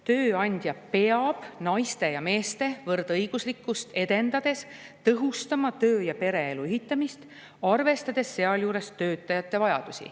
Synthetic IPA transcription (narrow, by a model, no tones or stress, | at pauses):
t̪ø̞ːɑnʲd̪̥jɑpe̞ɑb̥nɑjst̪e̞jɑme̞ːst̪e̞vɤrd̪ɤjɡ̥uslikːˑust̪e̞d̪̥e̞nd̪̥ɑd̪̥e̞s | t̪ɤɦust̪ɑmɑt̪ø̞ːjɑpe̞ɾe̞eluyɦit̪ˑːɑmist̪ | ɑrve̞st̪ɑd̪̥e̞sːe̞ɑljuːɾe̞st̪ø̞ːt̪ːˑɑjɑt̪ˑːe̞vɑjɑ̰d̪̥usḭ